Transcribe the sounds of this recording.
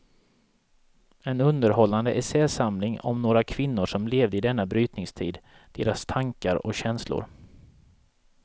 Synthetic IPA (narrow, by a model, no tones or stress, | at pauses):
ɛnɵnd̪əɾhɔlːand̪əʔɛsɛːsamlɪŋɔ̰mnoːɾakʰvɪnːʊʂɔmleːvd̪əɪd̪ɛnːabɾyːt̪nɪŋst̪ʰḭːd̪ | d̪̥ḛːɾast̪ʰaŋkaɾɔɕɛnslʊ̰ɾ